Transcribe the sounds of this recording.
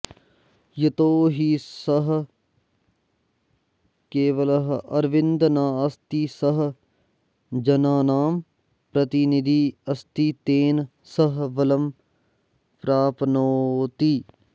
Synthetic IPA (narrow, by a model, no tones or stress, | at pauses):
jɐt̪oːɦisɐɦ | keːʋɐlɐɦɐɾʋɪ̃nd̪naːɐst̪isɐɦ | d͡ʒɐnaːnaːm | pɾɐt̪inid̪ʱiɐst̪it̪eːn | sɐɦʋɐlɐm | pɾaːpnoːt̪i